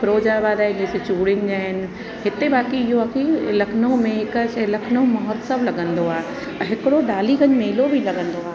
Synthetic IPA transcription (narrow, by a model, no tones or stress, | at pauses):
fɾoːd͡ʑabaːd̪aːɦɪd͡ʑeːset͡ɕuːɽɪnɪ̆d͡ʑaːɦɪnɪ̆ | ɦɪt̪ebaːkiɪɦoakʰilɐkʰnõmẽɦɪkʃelɐkʰnõmɐɦɔt̪səblɐɡə̃nd̪oaːe | ɦɪkɪɽoɗaːlikɐɲmeːlobʱilɐɠə̃nd̪oaːɦ